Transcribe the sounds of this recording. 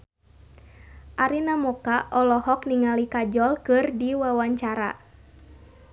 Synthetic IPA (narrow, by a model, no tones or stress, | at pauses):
ʔaɾinamɔkaʔɔlɔhɔk̚niŋalikad͡ʒɔlkɨrdiwawaɲt͡ʃaɾa̰